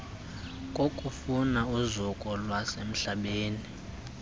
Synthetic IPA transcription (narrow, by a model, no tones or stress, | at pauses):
kʼokʼufunauzukʼɔlwasem̩ɬaɓeːni